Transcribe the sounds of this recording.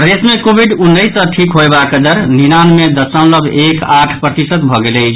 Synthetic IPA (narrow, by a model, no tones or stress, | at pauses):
d̪esmekobʱiɖunːəjsə̃ʈʰikɦoebakəd̪əɾninanmed̪əsə̃ʊ̃ləbekaʈʰpɾət̪isət̪bʱɔɡeləjt͡ʃʰ